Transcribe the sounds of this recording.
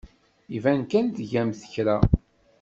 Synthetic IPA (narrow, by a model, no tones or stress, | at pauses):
ivænkænt̪ʝæmθə̥çɾæ